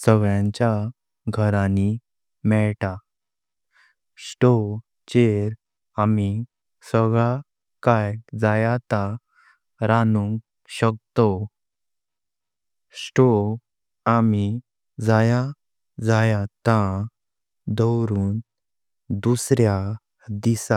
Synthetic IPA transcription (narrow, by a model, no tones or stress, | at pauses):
səɡɭjãɲt͡ɕja | ɡʱəɾani | mɛɭt̪a | sʈo | t͡ɕeɾ | ami | səɡɭa | kajd͡zajat̪a | ɾanuŋɡ | ɕək̚t̪ɔ | sʈo | ami | d͡zaja | d͡zajat̪ã | d̪əwɾuːn | d̪usɾja | d̪isa